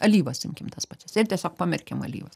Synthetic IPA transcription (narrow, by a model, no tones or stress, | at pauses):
ɐlʲiːʋɐsɪmʲkʲɪmt̪ɐspɑːt͡ʃʲɛsɪrt̪ʲiɛsʲoːkpɑmʲɪrʲkʲɛmɐ̰lʲḭːʋɐs